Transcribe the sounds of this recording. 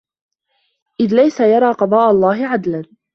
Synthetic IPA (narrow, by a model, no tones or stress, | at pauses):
ʔɪðlajsajɑɾˤɑːqɑd̪ˤɑːʔalˤːɑːɦɪʕad̪lan